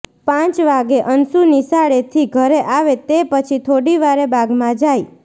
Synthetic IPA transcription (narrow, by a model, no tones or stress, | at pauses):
pãt͡ʃʋaɡeʔənsunisaɭet̪ʰiɡʱəɾeʔaʋet̪epət͡ʃʰit̪ʰoɽiʋaɾebaɡmãd͡ʒaj